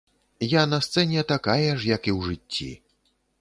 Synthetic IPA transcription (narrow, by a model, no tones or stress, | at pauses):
janɐst̪sɛnʲɛt̪akajɛʂjɐkiwʐɨt͡sʲːḭ